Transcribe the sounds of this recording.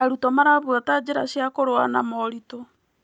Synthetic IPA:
aɾutɔmaɾaβwatad͡ʒeɾaʃjakoɾoa̰namɔɾitɔ

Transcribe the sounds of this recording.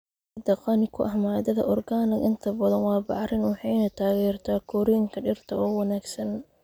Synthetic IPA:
d̪ɐqɑnɪkʰʊʔɐhmaːd̪ɐðɐ̰ʔɔrɡaːnɪɡɪnt̪ʰɐbɐðɐnwɑːbɑʕɾɪnwɑħɑjnɐt̪ʰaːɣɛːrt̪ʰaːkʰɔɾiŋkʰɐɖɪrt̪ʰɐɔːwɐnaːɡsɐn

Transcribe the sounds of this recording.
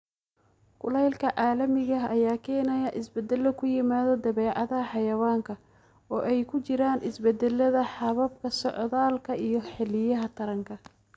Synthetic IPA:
kʊlɛjlkʰɐʕɑːlɐmɪɣɐɦɐjaːkʰɛːnɐjɐʔɪsbɛd̪ɛlːɔkʰʊjɪmaːðɔd̪ɐβɛːʕɑðɐɦɐħɑjɐwaːŋkʰɐ | ɔːʔɛjkʰʊt͡ʃɪɾaːnʔɪsbɛd̪ɛlːɐðɐħɑβɐbkʰɐsɔʕðaːlkʰɐijɞħɛlɪjɐɦɐt̪ʰɐɾɐŋkʰɐ

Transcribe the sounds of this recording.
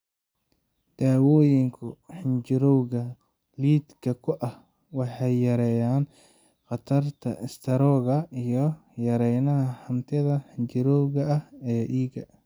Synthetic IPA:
d̪̥aːwɔːjɪŋkʰʊħɪnt͡ʃɪɾɔwɣɐ | liːd̪kʰɐkʰʊʔɐh | wɑħɑjjɐɾɛjaːn | qɑt̪ʰɐrt̪ʰɐ̰ʔɪst̪ʰɐɾɔːɣɐijɞ | jɐɾɛjnɐɦɐhɐmt̪ʰɪðɐħɪɲt͡ʃɪɾɔwɣɐɐhɛːʔiːɣɐ

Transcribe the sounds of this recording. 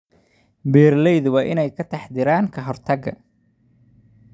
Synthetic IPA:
bɛːrlɛjðʊβɑːʔɪnɛjkʰɐt̪ʰɑħd̪ɪɾaːŋkʰɐɦɔrt̪ʰɐɡɐ̰

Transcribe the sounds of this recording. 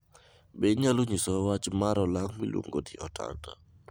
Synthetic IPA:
bɛɲaluɲisɔwat͡ʃmaɾɔlaŋmḭlwo̰ŋɡodiɔtʰa̰nta̰

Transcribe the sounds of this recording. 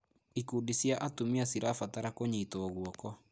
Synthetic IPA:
ikuːdisjaʔatumiasiɾafataɾakoɲiːtoːɣwɔkɔ

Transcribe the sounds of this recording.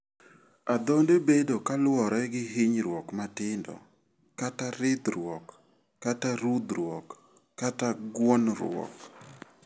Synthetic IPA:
ad̪ɔndebedokalwɔɾɛɡɪɦɪɲɾwɔkmatɪndɔ̰ | kataɾɪd̪ɾwɔkː | ataɾud̪ɾwɔkː | ataɡwɔnɾwɔ̰k

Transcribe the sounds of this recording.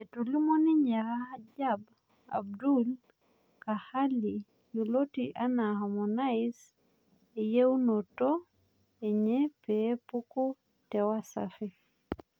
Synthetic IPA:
ɛtolimoniɲaɾaad͡ʒab | a̰b̚dul | kahali | julotiʔanahamɔnajs | ɛjewunɔtɔ | ɛɲɛpɛpuku | tɛwasa̰fi

